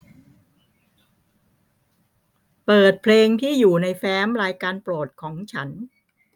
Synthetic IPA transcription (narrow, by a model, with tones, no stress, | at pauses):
pɤː˨˩t̪̚pʰleː˧ŋt̪ʰiː˥˩juː˨˩na˧jfɛː˦˥mɾaː˧jkaː˧npɾoː˨˩t̪̚kʰɔː˩˦ŋt͡ɕʰa˦˥n